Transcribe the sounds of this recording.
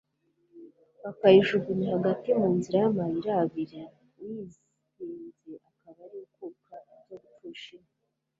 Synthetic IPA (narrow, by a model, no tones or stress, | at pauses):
βakaiʒuɡunihaɡatimuːnziɾajamahiɾaβiɾa | wiz | iːnzeʔakaβaɾiukukaiɟoɡufuʃine